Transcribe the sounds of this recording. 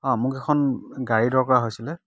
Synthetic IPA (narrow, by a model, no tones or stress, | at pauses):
ɔ̃mʊkɛkʰɔnɡaɹidɔɹkɔɹaɦojsilɛ